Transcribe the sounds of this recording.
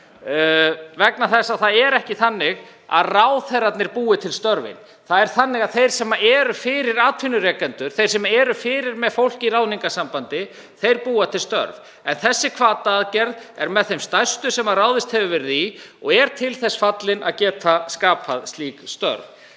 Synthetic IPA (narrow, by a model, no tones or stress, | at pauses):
vɛknaθɛsːaθaðɛɾɛhcɪθanːɪɣ | a̰ðraːwθɛɾat̪nɪɾpuːɪt̪ʰɪlst̪œɾvɪ̰n | θaðɛɾ̥θanːɪɣaðθejɾ̥sɛmːaʔɛːɾʏfɪɾɪɾaːt̪ʰfɪnʏɾɛːkɛnt̪ʏɾ̥θejɾ̥sɛmaɛɾʏfɪːɾɪɾmɛðfowl̥cirawniŋkasampant̪ɪ | θejɾpuːat̪ʰɪlst̪œ̰ɾv | ɛnθɛsːɪkʰvaːt̪aːðcɛɾðɛɾmɛðθejmst̪ajst̪ʏsɛmaraːwðɪst̪hɛvʏvɛɾɪðiɔɣɛɾ̥t̪ʰɪlθɛsfat̪lɪnaðcɛːt̪ʰaskaːpʰaðst̪liːkst̪œ̰ɾv